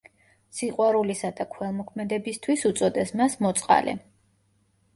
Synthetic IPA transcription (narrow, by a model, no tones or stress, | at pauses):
siqʼwaɾulisad̪akʰwɛlˠmɔkʰmɛd̪ɛbist̪ʰwisut̪sʼɔd̪ɛsmasmɔt̪sʼqʼa̰lɛ̰